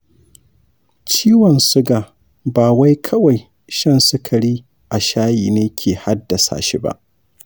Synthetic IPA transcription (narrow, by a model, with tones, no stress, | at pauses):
t͡ʃiː˦wɔ˨nsʊ˦ɡa˨ | baː˨wa˦jkʰɐ˦wa˨j | ʃɐ˦nsʊ˦kʰa˨ɽiː˦ | ʔa˨ʃaː˦jiː˨neː˦kʲʰeː˨ha˦dːa˨sa̰ː˨ʃi˦ba̰˦ʔ